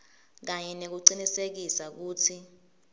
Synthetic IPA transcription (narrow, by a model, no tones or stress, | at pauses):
k̬aɲɛnek̬uǀinisek̬isak̬uːtʰi